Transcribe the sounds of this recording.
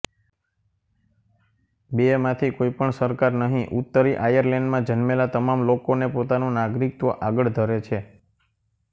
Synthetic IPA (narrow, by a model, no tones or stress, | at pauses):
bemãt̪ʰikoipəɳsəɾkaɾnəɦĩʔut̪ːəɾiʔajəɾlɛɳɖmãd͡ʒənmelat̪əmamlokonepot̪anũnaɡɾik̚t̪əʔaɡəɭd̪ʱəɾet͡ʃʰe